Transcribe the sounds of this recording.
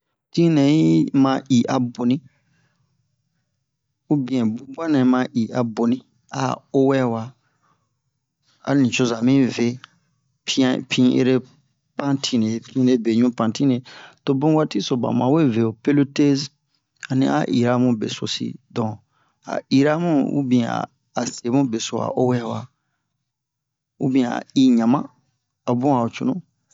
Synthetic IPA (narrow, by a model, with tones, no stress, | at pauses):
tĩ˦nɛ̃˨ji˦mã˧ʔi˨ʔa˨bo˨nĩ˦ | u˦bĩ˨ɛ̃˨bũ˨˦ba˦nɛ̃˨˦mã˧˦ʔi˨a˨bo˨nĩ˦ | a̰˨o˦wɛ˦wa˧ | a̰˨nĩ˨t͡ʃo˦za˨mĩ˦ve˨˦ | pi˦ã˦pʰĩ˦ʔḛ˦ɾe˦ | pã˦tʰĩ˦ne˨pĩ˦ne˦be˨ɲũ˦pã˨tĩ˦ne˨to˨bũ˦wa˦ti˦so˨ba̰˨mã˨we˦ve˨o˨pe˦lo˦te˦z | a˨nḭ̃˦a̰˨ʔi˨ɾa˦mũ˦bḛ˨so̰˨sḭ˦˨dɔ̃˨ | a̰˨i˨ɾa˦mũ˦ṵ˦bĩ˧a̰ː˨ | se˨˦mũ˦be˨so˨a̰˨ʔo˦wɛ˦wa˨ | u˦bĩ˧a̰˨i˦ɲã˨mã̰˦ | a˨bũ˦a˨o˨t͡ʃu˨nũ˦